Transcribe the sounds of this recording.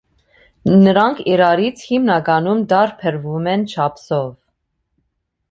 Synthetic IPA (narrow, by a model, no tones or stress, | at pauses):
nəɾɑŋkʰiɾɑɾit͡sʰhimnɑɡɑnumd̪ɑɾpʰəɾvumɛnt͡ʃʰɑpsɔv